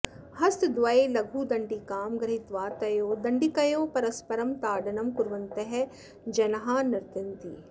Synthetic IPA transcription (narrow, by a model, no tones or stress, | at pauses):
hɐst̪d̪ʋɐeːlɐɡʱuːd̪ɐɳɖikaːmɡɾɐɦit̪ʋaːt̪ɐjoːd̪ɐɳɖikɐjoːpɐɾɐspɐɾɐmt̪aːɖɐnɐmkuɾʋɐnt̪ɐɦɛ | d͡ʒɐnɐɦaːnɐɾt̪ɐnt̪ḭː